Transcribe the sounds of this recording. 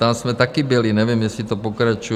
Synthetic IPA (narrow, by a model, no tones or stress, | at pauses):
t̪amsmɛt̪akiːbɛliɲɛʋɪjɛmjɛsit̪ɔpɔkɾat͡ʃu